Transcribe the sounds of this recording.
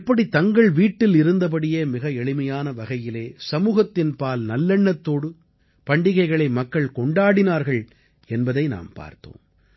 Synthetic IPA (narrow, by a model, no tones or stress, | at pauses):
pːɐɽit̪ɐŋɡɐɭʋiːʈːɪlɪɾɯnd̪ɐp̬ɐɽɪjeːmɪɣɐɛɭɪmɐjaːnɐʋɐɣɐjɪleːsɐmuːɣɐt̪ːɪnpaːlnɐlːɛɳːɐt̪ːoːɽɯ | pɐɳɖɪɣɐɪɣɐɭɐɪmɐkːɐɭkɔɳɖaːɽɪnaːɾɣɐɭ | ɛnbɐðɐɪna̰ːmpa̰ːɾt̪o̰ːm